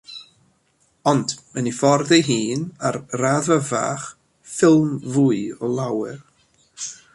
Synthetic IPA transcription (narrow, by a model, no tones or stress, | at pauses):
ɔndmənifɔrðɛɦiːnarraðava̰ːχ | fɪlˠmvuːɨɔlˠawɪr